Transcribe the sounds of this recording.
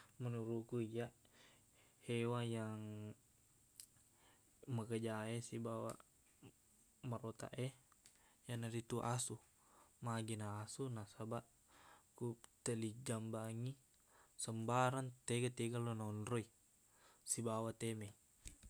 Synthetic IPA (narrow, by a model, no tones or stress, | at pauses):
mənuɾukuija | hewajaŋ | məkəd͡ʒaesibawa̰ | maɾot̪a̰ʔɛ | janaɾit̪uʔasu | maɡinaːsunasabaʔ | kut̪əlid͡ʒambaŋi | səmbaɾant̪eɡat̪eɡalonaɔnɾɔi | sibawat̪emɛ